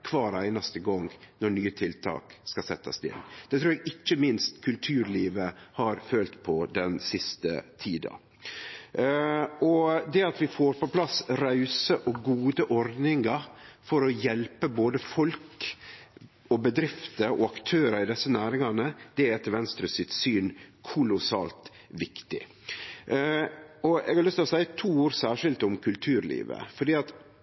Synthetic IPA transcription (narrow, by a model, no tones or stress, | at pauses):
kʰʋɑːɾæɪnɑst̪əɡɔŋɡnɔɳyːət̪ʰɪlt̪ʰɑ̰ːkskɑsɛt̪ːɑsd̪ɪ̰nd̪̥ɛt̪ʰɾuːɾɛɡɪt͡ʃːəmɪnst̪kʰʉlt̪ʰʉːɾliːʋəhɑɾføːlt̪pʰɔd̪ɛnsɪst̪ə̰t̪ʰiːd̪ɑ̰ | ɔd̪ɛɑt̪ʋɪfoːɾpɔpʰlɑsɾɑʉsəʔɔɡuːd̪əʔɔɾd̪nɪŋɑfɔɾɔjɛlpəboːd̪əfɔlk | ɔbəd̪ɾɪft̪əɾɔ̰ɑkt̪ʰøːɾəɾɪd̪ɛsːənæːɾɪŋɑnəd̪̥ɛɾɛt̪ʰːəlʋɛnst̪ɾʉsɪt̪syːnkʰʊlʊsɑ̰ːlt̪ | ʋɪkt̪ɪ | ɔɛ̰ɡhɑɾlʏst̪ɪlɔsæɪət̪ʰuːoːɾsæːʂɪlt̪ʊmkʰʉlt̪ʰʉːɾlḭːʋə̰fɔɖiːɑt̪